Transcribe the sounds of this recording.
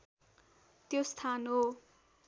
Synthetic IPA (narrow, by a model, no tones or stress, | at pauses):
t̪jost̪ʰanɦo